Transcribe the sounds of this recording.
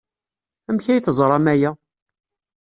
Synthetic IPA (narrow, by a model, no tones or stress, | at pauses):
æmçæjθəzˤɾˤɑmæjæ